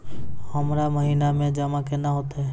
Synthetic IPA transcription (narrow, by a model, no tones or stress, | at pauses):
həmɾaməɦiːnamẽd͡ʒəmakenaɦoːt̪aɦɛː